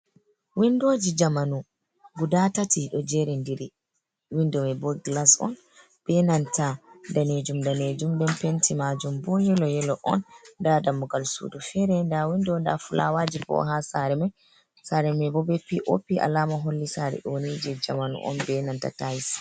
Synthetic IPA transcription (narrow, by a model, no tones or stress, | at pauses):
windoːd͡ʒid͡ʒamanu | ɡudatatʰiɗɔd͡ʒɛɾɛndiɾi | windɔmɛbɔɡlasɔ̰n | b̥ɛnantadaned͡ʒumdaned͡ʒumɗɛnpentimad͡ʒumbɔjɛlɔjɛlɔʔɔ̰ndadamuɡalsṵdufɛɾɛndawindɔnda̰fula̰wad͡ʒipɔ̰ɦasaɾɛmɛj | saɾɛmɛbɔbɛpiʔo̰pːiʔa̰laːmaɦolːisaɾɛ̰ʔonid͡ʒɛd͡ʒa̰manṵʔɔ̰nbɛnanta̰tajs